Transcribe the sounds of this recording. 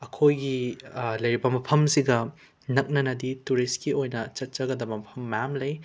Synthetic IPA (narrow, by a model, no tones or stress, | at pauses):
ɐkʰojɡilɐjɾibɐmɐpʰɐmsiɡɐ | nɐk̚nɐnɐdituɾistkiojnɐt͡ʃɐt̚t͡ʃɐɡɐdɐbɐmɐpʰɐmːɐjamlɐj